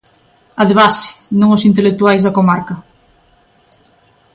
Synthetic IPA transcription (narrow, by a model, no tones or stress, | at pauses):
ɐðeβasɪ̥nõŋosint̪elek̚t̪uajzðɐkomaɾkɐ